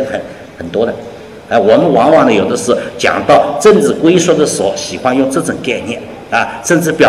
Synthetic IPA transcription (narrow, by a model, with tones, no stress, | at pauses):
xə˨˩˦n | xə˨˩nt̪wɔ˥d̪ə˨ | a˧wɔ˨˩mə˦nwɑ˧˥ŋwɑ˨˩ŋd̪ə˧jo˨˩ʊd̪ə˦ʂɻ̩˥˩t͡ɕjɑ̰˨˩ŋt̪ɑ˥˩ʊʈ͡ʂə˥˧nʈ͡ʂɻɹ̩˥˩kwe˥ɪʂwɔ˥˩d̪ə˩sɔ˧˩˥ɕi˨˩xwa˥njʊ˥˧ŋʈ͡ʂɤ˥˩ʈ͡ʂʊ˨˩ŋka˥˧ɪnjɛ˥˩n | ɐ˧˩ʂə˥˧nʈ͡ʂɻ̩˥˩pjɑ˨˩